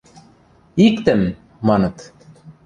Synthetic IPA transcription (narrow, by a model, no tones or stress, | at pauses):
ikt̪ɘmː | ɑnɤ̆t̪